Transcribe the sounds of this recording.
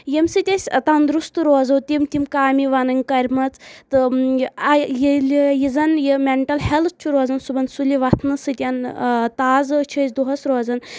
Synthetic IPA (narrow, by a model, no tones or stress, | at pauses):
jimsɨt̪ʲɐsʲt̪ɐnd̪ɾust̪ɾoːzɐwt̪ʲimt̪imkaːmiʋɐnɐnʲkɐɾʲmɐt͡st̪ɨɐjilijizɐnjimʲeɳʈɐlhelt̪̚ʰt͡ʃʰuɾoːzɐnsubɐnsulʲiʋɐt̪ʰnɨsɨt̪ʲɐnt̪aːzt͡ʃʰəsʲd̪uɦɐsɾoːzɐn